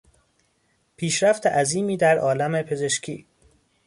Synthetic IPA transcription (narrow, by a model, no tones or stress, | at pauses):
pʰiːʃɾæft̪ʰeʔæziːmiːd̪æɾʔɒːlæmepʰe̞ze̞ʃcʰiː